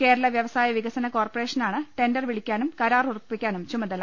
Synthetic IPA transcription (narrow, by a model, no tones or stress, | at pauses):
ke̞ːɾɐlɐʋjɐʋɐsaːjɐʋiɡɐsɐnɐko̞ːrpɐre̞ːʂɐnaːɳɨʈe̞ndɐrʋiɭikʲːaːnumkɐɾaːrurpːikʲːaːnumt͡ɕumɐðɐl